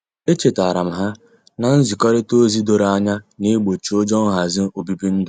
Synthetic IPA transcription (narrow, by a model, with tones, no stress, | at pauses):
e˦t͡ʃe˨ta˨ɾa˨m̩˨ɦa˦ | na˨n̩˦zi˨kɔ˦ɾɪ˦to˦zi˦do˨ɾa˦ɲa˦ne˦ɡ͡bo˨t͡ʃo˦d͡ʒɔ˦ŋ̩˦ɦa˨zɪ˦o˨bi˦bi˦n̩˦dʊ˨